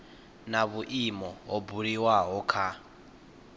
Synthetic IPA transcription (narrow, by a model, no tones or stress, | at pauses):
naβuʔimɔɦɔbuɺiwaɦɔkʰa